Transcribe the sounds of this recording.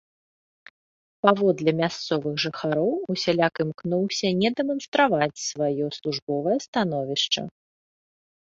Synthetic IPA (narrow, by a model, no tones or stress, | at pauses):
pavɔd̪lʲɛmʲast̪sɔvɨɣʐɨxaɾɔwusʲalʲakɨmknuwsʲɐnʲɛd̪ɛmɐnst̪ɾavat͡sʲsvajɔslˠuʐbɔvɐjɐst̪anɔvʲiʂt͡ʂɐ̰